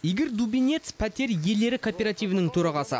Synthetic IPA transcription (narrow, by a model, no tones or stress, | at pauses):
je̞ɡʲe̞ɾd̪ubʲinʲe̞t̪spʰæt̪e̞ɾje̞le̞ɾɪkʰo̞pʲe̞ɾat̪ijvənəŋt̪ʰɵɾɑʁɑsə̰